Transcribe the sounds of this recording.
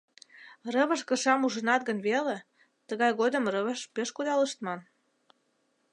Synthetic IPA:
rəβə̆ʃkə̆ʃɑmuʒənɑt̪̚ɡə̆nβele | t̪əɣɑjɣod̪ə̆mrəβəʃpeʃkud̪ɑləʃt̪mɑn

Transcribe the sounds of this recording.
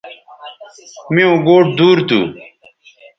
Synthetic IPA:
mĩõːɡoːʈ̚d̪uːɾt̪ṵ

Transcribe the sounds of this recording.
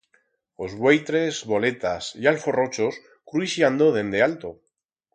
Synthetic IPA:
ozβwejt̪ɾe̞zβo̞le̞t̪asialfo̞ro̞t͡ʃo̞s | kɾuisjand̪o̞ðe̞nd̪e̞alt̪o̞

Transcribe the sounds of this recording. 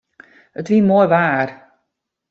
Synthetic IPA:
ətʋinmoːjʋaːr

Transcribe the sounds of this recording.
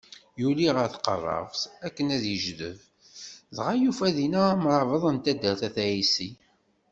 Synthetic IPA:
juliʁəɾθqə̰rˤːɑ̰vsækːənæðjəʒðə̰v | ðʁajufæðinæmɾˤɑvəðˤənt̪æd̪əɾθæθæisi

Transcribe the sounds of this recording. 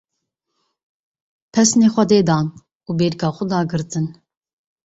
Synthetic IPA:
pʰɛsnexʷɑd̪eːd̪ɑːn | ubeɾɡɑːχʊd̪ɑːɡɨɾt̪ʰɨn

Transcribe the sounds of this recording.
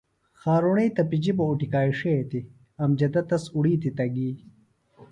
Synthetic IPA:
xaːɾuɳejt̪ɐpid͡ʑibouʈikaːiʂet̪i | ɐmd͡ʑɐd̪ɐt̪ɐsuɽiːt̪it̪ɐɡiː

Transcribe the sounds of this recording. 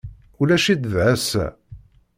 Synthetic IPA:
ulæʃid̪ðʕæsæ̰

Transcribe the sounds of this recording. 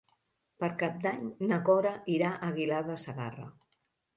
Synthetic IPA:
pəɾkap̚d̪aɲnəkɔɾəiɾaʔəɣilaðəsəɣa̰rə̰

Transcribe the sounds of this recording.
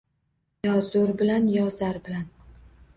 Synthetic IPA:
jɒzʊɾbɪlanjɒzaɾbɪlan

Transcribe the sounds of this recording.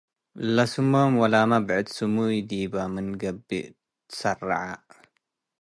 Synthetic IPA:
lɐsumomwɐlamabʕɨd̪sɨmujd̪iːbamɨnɡɐbːḭ | ɨ̥sɐra̰ʕa

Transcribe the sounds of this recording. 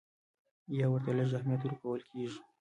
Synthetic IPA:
jɑwəɾt̪aləʒahmijat̪ɾukawəlkʰeʒi̥

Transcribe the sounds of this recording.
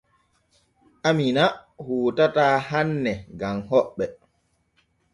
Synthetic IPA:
ʔaminahuːtataːɦanːɛɡamɦɔɓːɛ

